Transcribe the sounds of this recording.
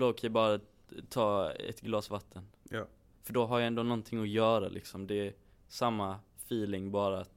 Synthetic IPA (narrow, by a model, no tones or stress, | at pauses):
loːkʰabɑːɾa | t̪ʰɑːɛ̰t̪ɡlɑːsvat̪ʰːən | fœɖɔɦaɾjaɛnd̪oːnɔnt̪ʰɪŋːɔjœːɾa̰lʔɪ̰ksɔmd̪ɛ | samːa | fiːlɪŋbɑːɾat̪